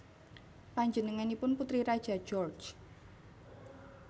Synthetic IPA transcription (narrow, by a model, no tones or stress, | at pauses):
paɲd͡ʒənəŋanipʊnput̪ɾiɾad̥ʒ̥a̤̥d͡ʒɔrt͡ʃ